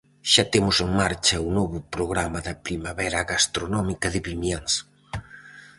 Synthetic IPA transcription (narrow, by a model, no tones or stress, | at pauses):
ʃat̪emʊseŋmaɾt͡ʃɐunɔβʊpɾoɣ̞ɾamɐðɐpɾimaβɛɾɐɣast̪ɾonɔmikɐðɪβimjaŋs